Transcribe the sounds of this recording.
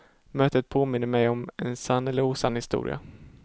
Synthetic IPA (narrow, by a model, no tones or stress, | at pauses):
møːt̪ət̪̚pʰoːmɪnːəɾmɛjɔmɛnsanːɛlːəɾuːsanːhɪst̪ṵːɾɪ̰a̰